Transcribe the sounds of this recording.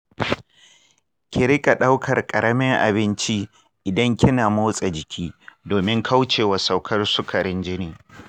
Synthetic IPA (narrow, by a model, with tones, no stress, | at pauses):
kʲɪ˨ɾɪ˦kʼa˨ɗa˦wkʰɐ˨rkʼɐ˨ɽɐ˦mɪ˦ŋʔa̰˨bɪ˦nt͡ʃi˦ | ʔɪ˨dɐ˦ŋkʲɪ˦naː˨moː˦sʼa˨d͡ʒɪ˨kʲʰiː˦doː˨mɪ˦ŋkʰa˦wt͡ʃeː˨wa˨sa˨wkʰɐ˦rsʊ˦kʰɐ˨ɾɪ˦nd͡ʒɪ˦niː˨